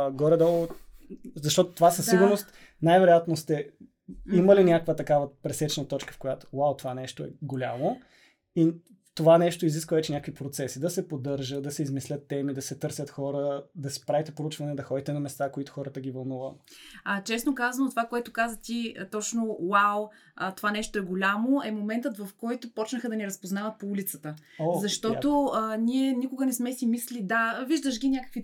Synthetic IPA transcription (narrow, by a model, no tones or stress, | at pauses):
ɡɔɾɛd̪ɔ | zɐʃt̪ɔt̪o̥t̪ovasɐsiɡʊɾnost̪ | najvɛɾojat̪nost̪ɛ | iməlinʲakəkvət̪ɐkavəpɾɛsɛt͡ʃnət̪ɔt͡ʃkə̥fkojat̪o̥wawt̪ovanɛʃt̪oɛ̰ɡolʲa̰mo | i | t̪ovanɛʃt̪oiziskvəvɛt͡ʃɛnʲakvipɾot̪sɛsid̪ɐsɛpod̪ɤɾʒəd̪ɐsɛizmislʲət̪ːɛmid̪ɐsɛt̪ɤɾsʲət̪xɔɾəd̪ɐsɛ̥pɾavit̪ɛpɾout͡ʃvɐnɛd̪ɐxɔd̪it̪ɛnɐmɛst̪akoit̪ʊ̥xɔɾət̪əɡʲivɐlˠnuvəmɐt͡ʃɛsnokazɐnot̪ovakoɛt̪ʊkazət̪it̪ɔt͡ʃnowaw | ət̪ovanɛʃt̪oɛɡolʲamoɛmomɛnt̪ət̪vɐfkɔjt̪opɔt͡ʃnəxəd̪ɐnɛɾɐspoznavət̪̚poulʲit̪sət̪əozɐʃt̪ɔt̪oənʲiɛnʲikʊɡənɛsmɛsimislʲid̪aviʒd̪əʃɡʲinʲjakə̥kvi